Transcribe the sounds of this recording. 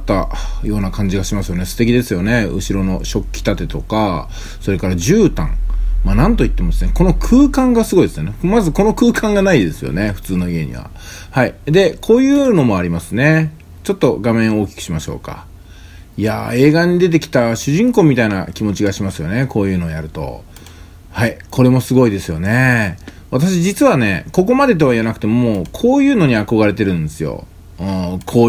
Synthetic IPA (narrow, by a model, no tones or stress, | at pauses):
t̪ːajo̞ːnakãɲ̟d͡ʑiɡaɕimasɨjo̞ne̞sɨ̥t̪e̞kʲid̪e̞sɨjo̞ne̞ɯ̰ɕiɾo̞no̞ɕo̞kʲːi̥t̪at̪e̞t̪o̞ka | so̞ɾe̞kaɾaʑɨːt̪ã̰ŋmanãnt̪o̞it̪ːe̞moesɨneko̞no̞kʰɯ̟ːkãŋɡasɨɡo̞id̪esɨjonemazɨko̞no̞kɯːkʰãŋɡanaid̪e̞sɨjo̞̰ne̞ɸɯ̟̥t͡sɨːno̞ie̞̰ɲ̟ḭβa̰ | haid̪e̞kʰo̞ːjɯ̟ːno̞mo̞aɾʲimasɨne̞ | t͡ɕo̞t̪ːo̞ɡamẽ̞ɰ̃o̞ːkʲi̥kɯ̥ɕimaɕo̞̰ːka̰ | ia̰e̞ːɡaɲ̟id̪e̞t̪̬e̞kʲi̥t̪aɕɨʑĩŋko̞ːmʲit̪aina̰kʲimo̞t͡ɕiɡaɕimasɨjo̞ne̞kʰo̞ːjɯ̟ːnoːjaɾɯ̟t̪o̞̰ | haikʰo̞ɾe̞mo̞sɨɡo̞id̪e̞sɨjo̞ne̞ | βat̪aɕ̬id͡ʑit͡sɨβane̞̰ko̞ko̞mad̪e̞t̪̬e̞βaijanakɯ̟̥t̪e̞momokʰo̞ːjɯ̟ːno̞ɲ̟iako̞ɡaɾe̞t̪e̞ɾɯ̟̃nd̪esɨjo̞̰ | ɯ̃kʰoː